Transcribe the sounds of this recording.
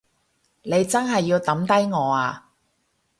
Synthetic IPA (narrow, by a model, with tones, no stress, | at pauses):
ne˨˧jt͡sɐ˥nɦɐ˨jːiː˧wt̪ɐ˨˥mt̪ɐ˥jŋɔː˨˧aː˧